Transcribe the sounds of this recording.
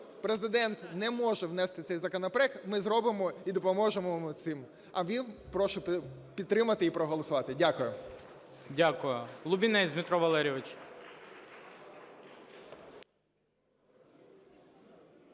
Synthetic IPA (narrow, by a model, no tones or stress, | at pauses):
pɾezɪd̪ɛnt̪nɛmɔʒɛwnɛst̪ɪt̪ɛjzɐkɔnɔpɾɛkmɪzɾɔbɪmɔid̪ɔpɔmɔʒemʊt̪sɪm | ɐʋʲinpɾɔʃʊpʲid̪t̪ːɾɪmɐt̪ɪipɾɔɦɔlˠɔsʊʋɑt̪ɪdʲakʊjʊ | dʲakʊjʊlˠʊbʲinɛizʲmʲɪt̪ɾɔʋɐlˠɛɾʲiʋɪt͡ʃ